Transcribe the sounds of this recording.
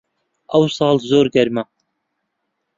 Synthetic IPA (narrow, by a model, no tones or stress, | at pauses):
ɑwsɑːlˠzoɾɡæɾma